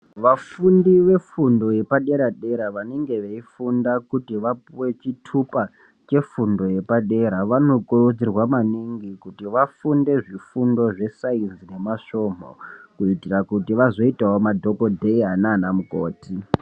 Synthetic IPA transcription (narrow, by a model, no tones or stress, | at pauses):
ʋafundiʋe̞fundo̞je̞paɗe̞ɾaɗe̞ɾaʋaneŋɡe̞ʋeifundakutiʋapuwe̞t͡ʃitʰupa | t͡ʃe̞fundo̞je̞paɗe̞ɾaʋano̞kurud͡zirwamaniŋɡikutiʋafunde̞ʐifundo̞ʐe̞sainzine̞maʂo̞mo̰kuitirakutiʋazo̞itaɦomadʱoko̞dʱeiɦanaːnamukoːti